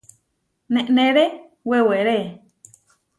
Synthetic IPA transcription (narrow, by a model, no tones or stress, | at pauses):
nẽʔnẽɾe | weweɾe